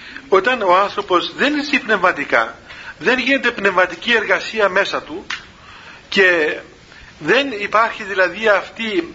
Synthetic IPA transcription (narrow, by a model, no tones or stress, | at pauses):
o̞t̪ɐno̞ɐnθɾo̞po̞zðe̞nisipne̞vmɐt̪ikɐ̰ðe̞nʝine̞t̪e̞pne̞vmɐt̪icie̞ɾɣɐsiɐme̞sɐt̪u | ce̞ | ðe̞nipɐɾçiðilɐðiɐft̪i